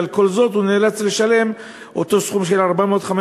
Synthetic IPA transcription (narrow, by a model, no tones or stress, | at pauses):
lko̞lzo̞t̪uneːlat͡sle̞ʃale̞m | ʔot̪o̞sχumʃelaʁbameoot̪χame